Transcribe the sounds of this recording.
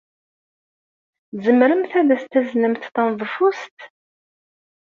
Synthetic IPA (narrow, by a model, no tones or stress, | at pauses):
zəmɾəmθæðæst̪ːæznəmθθənðˤəfust̪